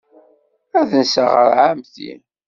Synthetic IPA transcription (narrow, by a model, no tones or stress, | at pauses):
æðənsəʁə̰ɾʕamθḭn